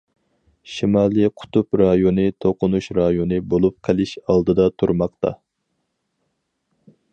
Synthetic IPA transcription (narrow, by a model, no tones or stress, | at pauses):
ʃimɑlˠiqʰʊ̥t̪upɾɑjonɨt̪ʰoqʊnuʃɾɑjonɨbolˠup̚qʰəlˠɪʃɑlˠd̪ɨd̪ɑt̪ʰuɾmɑqt̪ʰɑ̰